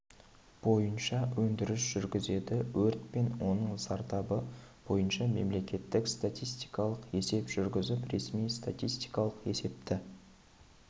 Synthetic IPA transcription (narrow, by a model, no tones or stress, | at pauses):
b̥o̞jənʃɑwɵnd̪ɪɾɪsʒ̥ʏɾɡʲɪze̞d̪ɪwɵɾt̪pe̞nwo̞nəɴsɑɾt̪ɑbəb̥o̞jənʃɑme̞mle̞kʲe̞t̪ːɪkst̪at̪ʲijst̪ijkɑlˠəqe̞se̞pʒ̥ʏɾɡʲɪzɪpɾe̞smijst̪at̪ʲijst̪ijkɑlˠəqe̞̰se̞p̚t̪ɪ